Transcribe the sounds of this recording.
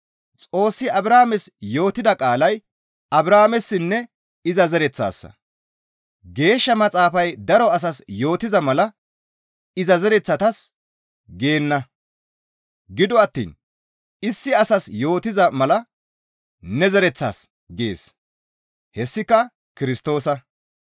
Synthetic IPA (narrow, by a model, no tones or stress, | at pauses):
t͡sʼo̞ːsːɪɐbɾaːmɛsjo̞ːt̪ɪd̪ɐkʼaːlɐj | ɐbɾaːmɛsːɪnːɛ | ɪzɐzɛɾɛt͡sːa̰ːsːɐ̰ | ɡe̞ːʃːɐmɐt͡sʼaːfɐjd̪ɐɾɔɐs̬ɐsjo̞ːt̪ɪzɐmɐlɐ | ɪzɐzɛɾɛt͡sːɐt̪ɐs | ɡeːnːɐ | ɡɪd̪ɔɐt̪ːḭːn | ɪsːɪɐsɐsjo̞ːt̪ɪzɐmɐlɐ | nɛzɛɾɛt͡sːa̰ːs | ɡḛːs | hɛsːɪkːɐ | kɪɾɪst̪o̞ːsɐ